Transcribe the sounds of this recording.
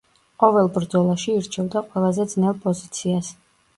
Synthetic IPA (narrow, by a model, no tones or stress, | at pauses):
qʼɔvɛlˠbɾd̪zɔlˠaʃiːɾt͡ʃʰɛvd̪aqʼwɛlˠazɛd̪znɛlˠpʼɔzit̪sʰias